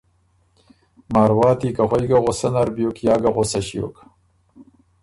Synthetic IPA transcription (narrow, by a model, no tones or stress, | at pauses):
maːɾwɑːt̪iːkaʁʷojɡaʁosanaɾbjokjɑːɡaʁosɐɕijo̰k